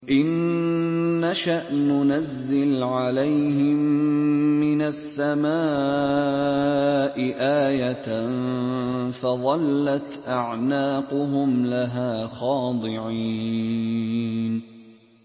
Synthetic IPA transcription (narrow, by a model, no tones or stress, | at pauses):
ʔɪnː | aʃaʔnʊnazːɪlʕalajhɪmmːɪnasːamaː | ʔɪʔaːjat̪n | fɑðˤɑlːat̪ʔaʕnaːqʊɦʊmlaɦaːxɑːd̪ˤɪʕi | n